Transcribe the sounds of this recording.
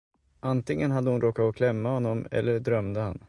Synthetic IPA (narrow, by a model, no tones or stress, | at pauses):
ʔant̪ɪŋːənɦad̪ːəhʊnɾʔoːkat̪ɔkʰlɛmːahɔnːɔmɛ̰lːəɖɾœmd̪əha̰n